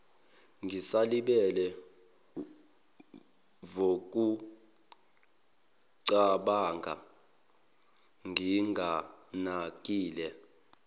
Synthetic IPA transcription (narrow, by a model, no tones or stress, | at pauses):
ŋɡisaliɓɛlɛ | vok̬ʼu | ǀaɓaːŋɡʱa̰ | ŋʱiŋɡʱanak̬ʼiːlɛ